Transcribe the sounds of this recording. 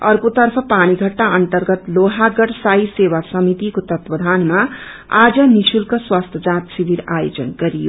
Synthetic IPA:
ʌrkot̪ʌrpʰʌpaɽ̃iɡʱʌʈːaʔʌnt̪ʌrɡʌt̪loɦaɡʌɽsajsewasʌmit̪ikot̪ʌt̪wʌd̪ʱanma | ad͡zʌnit͡sʰulkʌswast̪ʰʌd͡zãt̪sibiɾajod͡zʌnɡʌɾijo̰

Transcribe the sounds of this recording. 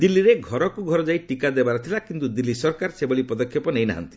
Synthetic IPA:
d̪ilːiɾeɡʱɔɾɔkuɡʱɔɾɔd͡ʒaiʈikad̪ebaɾɔt̪ʰilakint̪ud̪ilːisɔɾkaɾsebɔɭipɔd̪ɔkʰjɔpɔnejna̰ɦa̰nt̪i̥

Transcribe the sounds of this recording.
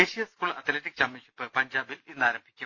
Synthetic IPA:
eːɕijɐskuːɭɐt̪ʰleʈːik̚t͡ɕɐmːeɕipːɨpɐɲd͡ʑaːbilinːaːɾɐmbʱi̥kʲːu

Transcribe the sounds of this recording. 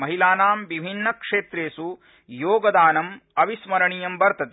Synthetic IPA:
mɐɦilaːnaːmʋibʱinːɐkʂeːt̪ɾeːsu | joːɡɐd̪aːnɐmɐʋismɐɾɐɳijɐmbɐɾt̪ʰɐt̪e

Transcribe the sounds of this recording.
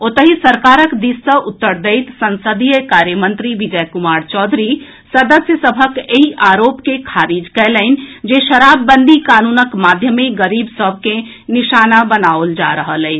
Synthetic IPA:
ot̪əɦisəɾkaɾəkd̪isːəʔut̪ːəɾd̪əɪt̪sənsəd̪ijəkaɾjəmənt̪ɾiʋid͡ʒəjkumaɾt͡ʃɔd̪ʱɾi | səd̪əsjəsəbʱəkeɦiʔaɾoːpkekʰaɾid͡ʒkɛləɪn̆d͡ʒeʃəɾabːənd̪ʱikanunəkmad̪ʱjəmeɡəɾibsəbʱke | niʃanabənaold͡ʒa̰ɾəɦəlɛɪ

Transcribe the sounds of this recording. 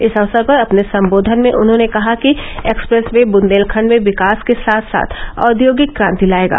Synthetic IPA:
ɪsɐʋsəɾpɐɾɐpnesɐ̃mboːd̪ʱənmẽʔʊnɦõːnekɐɦakieːkspɾɛsmẽbʊnd̪eːlkʰəɳmẽʋɪkaːskesaːt̪ʰsa̰ːt̪ʰɔ̰ːd̪joːɡɪt̪kɾãːnt̪ilaːeːɡa̰ː

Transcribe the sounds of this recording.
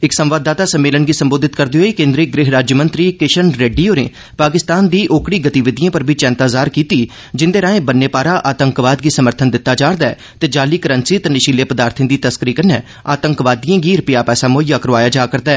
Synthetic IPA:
ɪksə̃mʋaːd̪ːaːt̪aːsəmːeːlənɡiːsəmboːd̪ɪt̪kəɾd̪eɦoːikẽːnd̪ɾiɡɾɪɦɾaːd͡ʒjəmə̃nt̪ɾiːkɪʃənɾeːɖijoːnḛː | paːkɪst̪aːnd̪iːʔoːkɽiːɡət̪iʋɪd̪ɪjãːpəɾbʱiːt͡ʃɛ̃ːnt̪aːzaːɾkiːt̪iː | d͡ʒɪnd̪eːɾãːẽːbənːeːpaːɾaːʔaːt̪əŋkʋaːd̪̚ɡiːsəməɾt̪ʰənd̪ɪt̪ːaːd͡ʒaːɽd̪aɛː | t̪eːd͡ʒaːliːkəɾənsiːt̪enɪʃiːleːpəd̪aːɾt̪ʰɪ̃d̪iːt̪əskəɾiːkənːɛː | a̰ːt̪əŋkʋaːd̪ijãːɡiːɾʊpɪjaːpɛːsaːmoːjaːkəɾʋaːjaːd͡ʒaːkəɾd̪aːɛː

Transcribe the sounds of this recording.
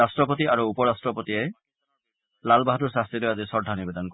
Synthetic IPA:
asʈɾɔpɔt̪iʔaɾuupɔɾasʈɾɔpɔt̪ie | lalbaɦat̪uɾsast̪ɾilɔjad͡ʒisɔɖʱanibed̪ɔnk

